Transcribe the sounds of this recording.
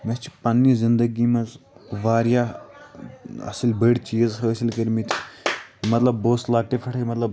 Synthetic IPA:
mɐst͡ʃi̥pɐnːizind̪əɡimɐzʋaːɾja | ɐ̰silʲbəɽʲt͡ʃizɦəsilʲkəɾmit̪ʲʰ | mɐt̪lɐbːoːslaːɡ̚ʈ̪efʰɐʈʰɐɾʲmɐt̪lɐb

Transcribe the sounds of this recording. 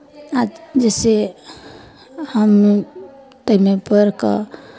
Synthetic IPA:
ad͡ʒɛse | həmnu | t̪əɦnepəɾkə̰

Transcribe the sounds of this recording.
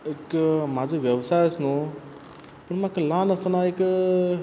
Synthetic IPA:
ɪkmãːd͡ʑoʋjɐʋsaːjsnõ | pɐɽmãɪklaːnɐsə̃naɪk

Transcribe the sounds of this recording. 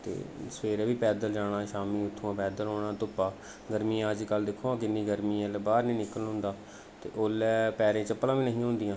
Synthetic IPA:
t̪ḛːspeːɾɛːʋiːpɛːd̪əld͡ʒaːɽ̃aːʃaːmĩːʊt̪ʰːõãːpɛːd̪əlɦoːɽ̃ãːt̪ʊpːaː | ɡəɾmiːãəd͡ʒkəld̪ɪkʰːoːãːkɪnːĩːɡəɾmĩːlbaːɾnĩːnɪkəlɦʊ̃nd̪aː | t̪ḛːʔolɛːpɛːɾẽːt͡ʃəpːlãːʋiːnəɦĩːɦõːnd̪iːãː

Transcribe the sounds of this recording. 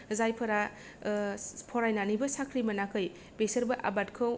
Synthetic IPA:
zajpʰɐɾa | pʰɔɾajnanibɐsakʰɾimɐnakʰɯj | besɐɾbɐʔa̰bat̚kʰɯw

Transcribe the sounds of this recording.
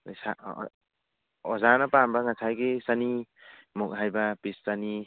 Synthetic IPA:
sa | ɔzanapambaŋat͡sʰajɡisanimɔk̚ɦajbapissani

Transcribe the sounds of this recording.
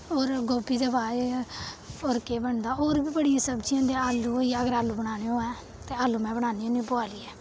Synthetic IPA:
oːɾɡoːbiːd̪əbaːe | oɾkeːbəɳd̪aːoːɾbiːbəɽijãːsəbd͡ʒiãːd̪eaːlːuːoːiːəɡəɾaːlːuːbəɽ̃aːneːõːɛ̃ː | t̪eːaːlːuːmɛ̃ːbəɽaːniːoːnĩboaːliːɛː

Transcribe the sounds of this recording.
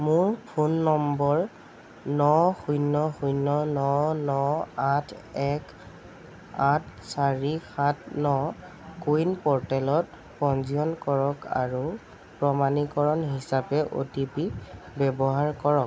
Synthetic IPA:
mʊɹpʰunːɔmbɔɹ | nɔxujnːɔxujnɔnɔnɔatʰɛk | at̚ʰsaɹixʰatnɔ | kujnpɔɹtɛlɔt̚ | pɔnziɔnkɔɹɔka̰ɹu | pɹɔmanikɔɹɔnɦisapɛʔo̰tipi | bɛbɔɦaɹkɔɹɔk̚

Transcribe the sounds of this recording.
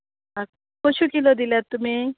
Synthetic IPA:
a | kot͡ʃʰukilod̪ilet̪ːume

